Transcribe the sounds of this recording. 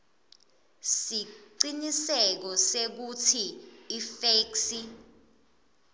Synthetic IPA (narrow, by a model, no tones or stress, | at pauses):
siǀinisɛk̬ɔsek̬utʰiːfeksi